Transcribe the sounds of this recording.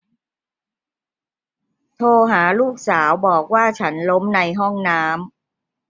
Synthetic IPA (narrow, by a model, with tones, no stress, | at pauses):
t̪ʰoː˧ɦaː˩˦luː˥˩k̚saː˩˦wbɔː˨˩k̚waː˥˩t͡ɕʰa˦˥nlo˦˥mna˧jɦɔ˥˩ŋnaː˦˥m